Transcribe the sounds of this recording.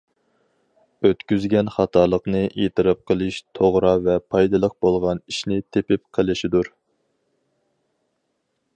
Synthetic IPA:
øt̪kʲyzɡʲɛnχɑt̪ʰɑlˠəqnɨʔet̪ʰɨɾɨp̚qəlˠɨʃt̪ʰoʁɾɑvɛpʰɑjd̪ɨlˠəq̚bolˠʁɑniʃnɪt̪ʰepɪp̚qʰəlˠɪʃid̪uɾ

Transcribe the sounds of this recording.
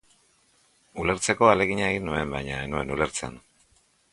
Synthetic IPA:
ule̞ɾt͡se̞ko̞ale̞ɣ̞iɲaeɣinue̞mbajɲaenue̞nule̞ɾt͡sḛn

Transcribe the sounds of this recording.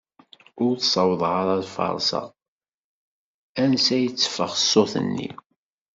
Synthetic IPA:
ʊɾθsˤɑwðˤʁɑɾˤɑðfɑ̰ɾˤsɑ̰ | ænsæjət͡sːə̥fəʁəsːoθə̰nːḭ

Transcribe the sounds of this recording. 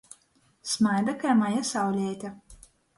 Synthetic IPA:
smajd̪akajmajasawlʲɛːt̪ʲa

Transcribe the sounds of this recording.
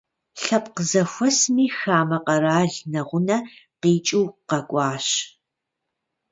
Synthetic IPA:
ɬɐp̚qəzɐxʷɔsmiːxaːmɐqɐɾaːɮnɐʁʷʊnɐqiːt͡ʃʼiwqɐkʷʼɑːɕ

